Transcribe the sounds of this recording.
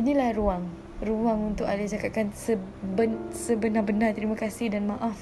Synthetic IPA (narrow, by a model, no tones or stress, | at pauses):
inĩlahɾuaŋ | ruaŋunt̪ʊkalɪt͡ʃakat̪̚kansəbənsəbənabənart̪əɾimãkasɪhdanmãʔaf